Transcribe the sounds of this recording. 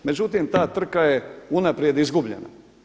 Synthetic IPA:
mezjut̪iːmt̪aːt̪ɨɾkaɛunapɾiɛd̪izɡublʲɛ̰na̰

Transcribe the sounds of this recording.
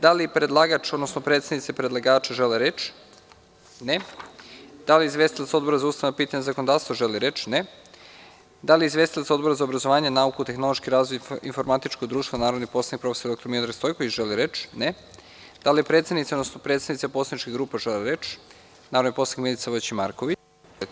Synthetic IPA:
d̪alipɾed̪lˠaɡat͡ʃod̪nosnopɾe̞t̪sadnit̪sepɾed̪lˠaɡaːt͡ʃaʒeleɾet͡ʃ | ne | d̪̥aliizʋest̪ilˠat̪so̞d̪bo̞ɾazaust̪aʋnopiːt̪aɲezakonod̪aːɾst̪ʋoʒeliɾet͡ʃne | d̪alijeizʋe̞st̪ilˠat̪sod̪boɾazaobɾazoʋaːɲenaukut̪exno̞lˠoʃkiɾaːzʋojinfo̞ɾmat̪it͡ʃkoɡd̪ɾuːʃt̪vanaːɾod̪nixpo̞sanikpɾofesoɾd̪o̞kt̪oɾmilod̪ɾaɡst̪o̞jkoʋit͡ɕʒ̥eliɾet͡ʃne | d̪̥alijepɾe̞t̪sdnit̪seod̪nosnopɾet̪sd̪nit̪saposanit͡ʃkiɡɾuːpaʒeleɾet͡ʃ | naːɾod̪iposanikmilit̪saʋot͡ɕima̰ɾkoʋi

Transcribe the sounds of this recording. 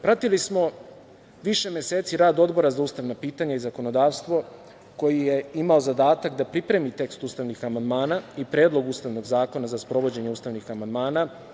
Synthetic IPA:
pɾat̪ilismo̞ | ʋiʃe̞mje̞se̞ːt̪siɾaːd̪o̞d̪bo̞ɾazauːst̪aʋnapiːt̪aɲaizako̞no̞d̪aːʋst̪ʋo̞ | ko̞jijeimao̞zad̪aːt̪akd̪apɾipɾe̞mit̪e̞kst̪uːst̪aʋnixamand̪maːnaipɾe̞ːd̪lo̞ɡuːst̪aʋno̞ɡzaːko̞nazaspɾo̞ʋo̞d͡ʑe̞ɲe̞uːst̪aʋnixamand̪maːna

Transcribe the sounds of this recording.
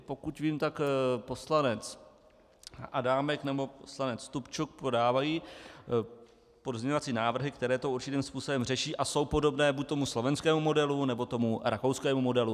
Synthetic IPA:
po̞kucviːmt̪akpo̞slanɛt͡s | ʔa̰daːmɛknɛbo̞poslanɛt͡st̪upt͡ʃuk̚pɾodaːvajiː | podzmɲɛɲovat͡siːnaːvr̩ɦɪkt̪ɛɾɛːt̪ouɾt͡ʃɪt̪iːmspuːso̞bɛmrɛʃiːʔaso̞wpo̞do̞bnɛːbuːc̚t̪o̞muslo̞vɛnskɛːmumo̞dɛlunɛbo̞t̪o̞muɾʔako̞wskɛːmumo̞dɛlu

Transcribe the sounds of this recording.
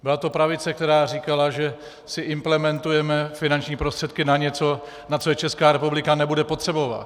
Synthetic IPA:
bɪlat̪o̞pɾavɪt͡sɛk̚t̪ɛɾaːriːkalaʒɛ | sɪʔɪmplɛmɛnt̪ujɛmɛfɪnant͡ʃɲiːpɾo̞st̪r̥ɛt̪̚kɪnaɲɛt͡so̞ | nat͡sojɛt͡ʃɛskaːɾɛpublɪkanɛbudɛpo̞t̪r̝̥ɛbo̞va̰t̪

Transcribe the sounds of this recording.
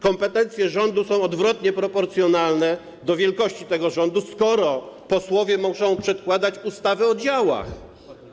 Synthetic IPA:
kɔmpɛt̪ɛnt̪sʲjɛʐɔnd̪usɔ̃w̃ɔd̪vɾɔt̪ɲɛpɾɔpɔɾt̪sjɔnalnɛ | d̪ɔvʲjɛlkɔɕt͡ɕit̪ɛɡɔʐɔnd̪uskɔɾɔpɔswɔvʲjɛmuʂɔ̃w̃pʂɛt̪̚kwad̪at͡ɕust̪avɛɔd͡ʑawa̰x

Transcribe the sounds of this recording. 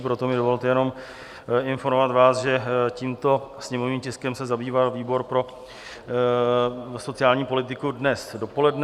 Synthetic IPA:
pɾot̪o̞mɪdo̞vo̞lt̪ɛjɛno̞m | ɪnfo̞ɾmovat̪vaːsʒɛciːmt̪o̞sɲɛmo̞vniːmcɪskɛmsɛzabiːvalviːbo̞ɾpɾo̞ | so̞t͡sɪaːlɲiːpo̞lɪt̪ɪkudnɛsdo̞po̞lɛdn

